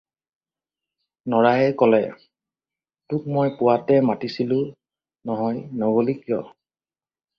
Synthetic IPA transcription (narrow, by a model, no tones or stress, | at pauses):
nɔɹajɛkɔlɛ | tʊk̚mojpʊwatɛmatisilʊ | nɔɦɔjnɔɡolikijɔ